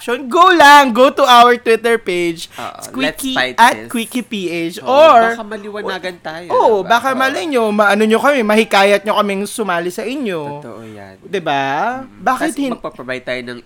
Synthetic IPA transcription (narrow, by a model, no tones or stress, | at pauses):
ʃonɡowlɐŋɡowt̪ʊʔawɛɹt̪wɪt̪ɛɹpejd͡ʒkwikiʔɐt̪kwiːkipiːʔet͡ʃʔoɹɐmɐlɪwɐnaːɡɐnt̪aːjʔoʔbaːkɐmɐlɐɲomɐʔɐnoɲokɐmɛmɐhɪkaːjɐt̪̚ɲokɐmɛŋsʊmaːlɪsɐʔɪɲo̞ | d̪ɪbabaːkɪt̪hɪnppɐvaj̚t̪aːjonɐŋ